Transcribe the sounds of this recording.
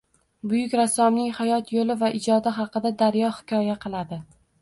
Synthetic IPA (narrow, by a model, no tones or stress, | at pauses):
bʊjʊkʲɾasːɒmnɪŋhajɒt̪ʰjolɪvaʔɪd͡ʒɒd̪ɪɦɑqɨd̪ad̪aɾjɒhɪ̥kʰʲɒjaqʰɨlˠad̪ɪ